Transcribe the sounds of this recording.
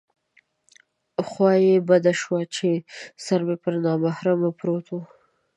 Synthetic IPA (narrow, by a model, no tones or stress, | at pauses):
xwɑjebad̪aʃwat͡ʃesaɾmepəɾnɑmahɾamapɾot̪ʰo